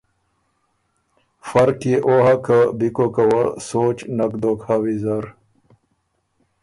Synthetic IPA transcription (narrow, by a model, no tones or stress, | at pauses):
fɐɾkjeʔoɦakabikokawasoːt͡ɕnɐkd̪okʰhaːwizaɾ